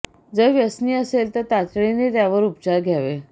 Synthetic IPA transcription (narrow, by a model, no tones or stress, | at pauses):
d͡zəʋjəsniːəselt̪əɾt̪at͡sɭenet̪jaʋəɾupt͡ɕaɾɡʱjaʋe